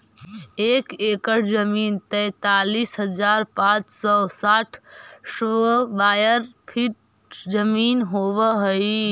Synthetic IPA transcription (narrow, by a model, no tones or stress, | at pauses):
eːkeːkəʈʰzəmiːnt̪ɛ̃t̪aːliːsɦəd͡ʒaːɾpãːt͡ʃsɔsaːʈʰsbaːjəɾpʰiʈ̚ | zəmiːnɦoːʋəɦoi